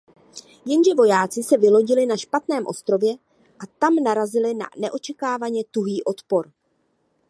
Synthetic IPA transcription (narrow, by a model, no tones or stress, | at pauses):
jɛnʒɛvo̞jaːt͡sɪsɛvɪlo̞ɟɪlɪnaʃpat̪nɛːmʔo̞st̪ɾo̞vjɛ | ʔat̪amnaɾazɪlɪna̰nɛʔo̞t͡ʃɛkaːvaɲɛt̪uɦiːʔo̞t̪po̞ɾ